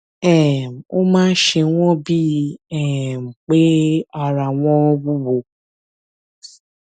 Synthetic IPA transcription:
ɛ˦˨m̩˨o̰˦mãː˦ʃe˧w̃ɔ̃˦bi˦ɛ˦˨m̩˨k͡pe˦a˧ɾa˨w̃ɔ̃˦bu˦bo˧˨

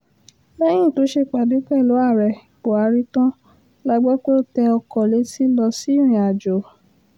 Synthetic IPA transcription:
lɛ˦j̃ĩ˦˨to˨˦ʃe˧˨k͡pa˨du˨˦k͡pɛ˦˨lo˨˦a˦˨ɾɛ˨k͡po˨a˨˧˦ɾi˦tã˦ | la˧ɡ͡bɔ˦ko˦˨tɛ˧ɔ˧kɔ˨le˨˦si˦lɔ˧si˦ɾ̃ĩ˨a˨d͡ʒo˨

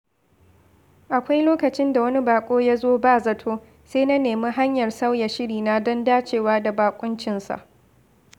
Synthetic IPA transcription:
ʔa˨kʷa˦jloː˦kɐ˨t͡ʃɪ˦nda˨wɐ˦ni˦baː˨kʷʼoː˦ja˦zoː˦baː˦˨zɐ˨tʰoː˦ | seː˦na˦neː˨mi˦ɦa˦ɲjɐ˨rsa˦wjɐ˨ʃɪ˦ɽiː˨na˦dɔ˦ndaː˦t͡ʃeː˨waː˦da˨baː˨kʷʼʊ˦nt͡ʃɪ˨nsa̰˨ʔ

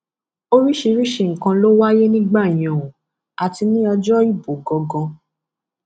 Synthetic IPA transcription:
o˦ɾi˦ʃi˧ɾi˦ʃe˧˨ŋ̩˨kã˧lo˦wa˦je˦nĩ˦ɡ͡ba˦˨i˨j̃ã˨ũ˨ | a˨ti˧nĩ˦ɔ˧d͡ʒɔ˦i˦˨bo˨ɡɔ˨˧ɡɔ̃˧

